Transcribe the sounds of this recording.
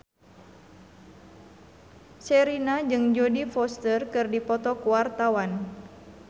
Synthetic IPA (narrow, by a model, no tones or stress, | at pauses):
sɛɾinad͡ʒɨŋd͡ʒodifɔst̪ərkɨrdipɔt̪ɔkuwart̪awan